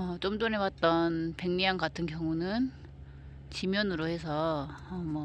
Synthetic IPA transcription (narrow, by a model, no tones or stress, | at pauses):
ʌt͡ɕ͈omdonewat̚t͈ʌnpe̞ŋɲiankatʰɯnkjʌŋunɯn | t͡ɕimjʌnɯɾohe̞sʰʌʌmʌ